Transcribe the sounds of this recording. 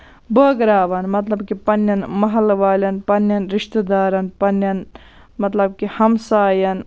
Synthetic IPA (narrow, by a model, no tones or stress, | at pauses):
bəːɡɾaːʋɐnmɐt̪lɐbkipɐnːjɐnmɐɦɐlʋaːlʲɐnpɐnjɐnɾiʃt̪ed̪aːɾɐnpɐnjɐn | mɐt̪lɐb̚kihɐmsaːjɐn